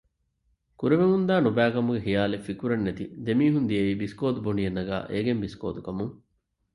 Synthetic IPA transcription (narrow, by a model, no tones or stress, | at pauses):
kuɾeʋemund̪aːnubæːkɐmuɡeɦijaːlefikuɾɐnːet̪id̪emiːɦund̪ijɐiːbiskoːd̪ubonijɐnːɐɡæ̰ːʔeːɡembisko̰ːt̪ukɐmuŋ